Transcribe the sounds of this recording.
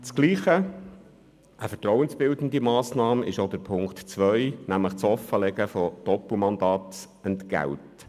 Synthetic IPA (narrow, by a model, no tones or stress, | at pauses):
t͡sɡ̥liːχə | ʔəfətɾɔwənsb̥ɪld̪ən̩d̪imɑːsnɑːmɪʃod̥̪əɾpʰʊŋktt͡sʋœjnæmləχt͡sɔfːəlɛɡəfɔd̥ɔpumɑnd̪ɑːt̪ | ənt̪ɡ̥æ̰lt